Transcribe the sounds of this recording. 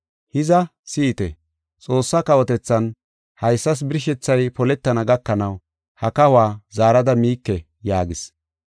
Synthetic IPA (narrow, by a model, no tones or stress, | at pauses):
hɪzɐsiːt̪ɛ | t͡sʼo̞ːsːɐkɐwɔt̪ɛt͡sːɐn | hɐjsːɐs̬bɪɾɪʃ̬ɛt͡sːɐjpɔlɛt̪ːɐnɐɡɐkːɐnɐw | hɐkɐhʊwaːzaːɾɐd̪ɐmiːkːɛ | jaːɡɪs